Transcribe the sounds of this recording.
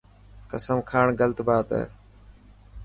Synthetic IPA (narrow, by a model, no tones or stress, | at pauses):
kəsəmkʰaːɳɡəlt̪baːt̪ə̰ː